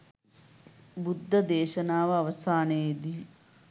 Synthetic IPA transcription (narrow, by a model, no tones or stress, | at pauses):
bud̪ʱːɐd̪eːʃɐnaːʋɐɐʋɐsaːnəed̪i